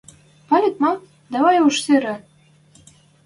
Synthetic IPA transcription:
pɑlʲet̪̚mɑ | d̪æβɑjuʃseɾɘ̆

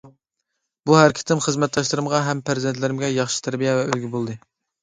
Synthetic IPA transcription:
buhæɾɪkʰʲi̥t̪ɪmχəzmɛt̪̚d̪ɑʃlˠɨɾɨmʁɑɦɛmpʰæɾzent̪lɪɾɪmɡʲɛjɑχʃi̥t̪ʰæɾbijɛvɛølɡʲibolˠd̪ɨ

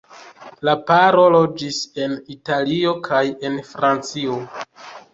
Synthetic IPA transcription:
lapaɾo̞lo̞d͡ʒise̞nitalio̞kʰaje̞nfɾant͡sio

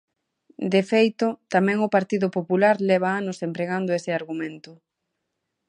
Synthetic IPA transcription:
d̪efejt̪ʊt̪amɛ̃ŋʊpaɾt̪iðʊpopulaɾlɛβaanosempɾeɣand̪ʊesɪaɾɣumẽnt̪ʊ

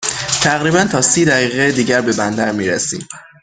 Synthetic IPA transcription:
t̪ʰæɣɾiːbænt̪ʰɒːsiːd̪æɣiːɣeed̪iːɟæɾbe̞bænd̪æɾmiːɾesḭːm

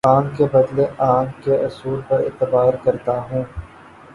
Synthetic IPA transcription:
aːŋkebɐd̪leʔaːŋkeʔʊsuːɾpɐɾɪ̰t̪ːəbaːɾkɐɾt̪aɦũː

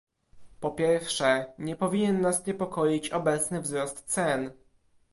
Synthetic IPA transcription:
pɔpʲjɛɾfʂɛɲɛpɔvʲiɲɛnːasɲɛpɔkɔjit͡ɕɔbɛt̪snɘvzɾɔst̪sɛn

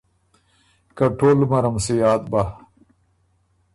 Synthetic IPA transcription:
kɐʈʰoːlmɐɾɐmsijaːt̪̚ba

